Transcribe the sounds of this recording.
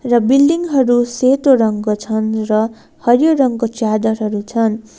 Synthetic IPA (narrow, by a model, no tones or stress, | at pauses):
rʌbilːiŋɦʌɾuset̪oɾʌŋkot͡sʰʌnrʌ | hʌrjoɾʌŋkot͡sjad̪ʌrɦʌɾut͡sʰʌn